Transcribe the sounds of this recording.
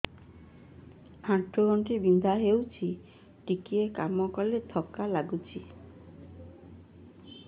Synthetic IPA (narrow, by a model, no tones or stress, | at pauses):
hãʈʰːoɡɔɳʈibind̪ʱaɦewt͡ʃʰi | ʈikiekamɔkɔlet̪ʰɔkalaɡut͡ʃʰi